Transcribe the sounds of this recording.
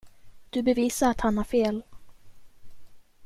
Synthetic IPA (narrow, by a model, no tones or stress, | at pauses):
d̪̥ɵbɛviːsaɾat̪hanhæɾfeːl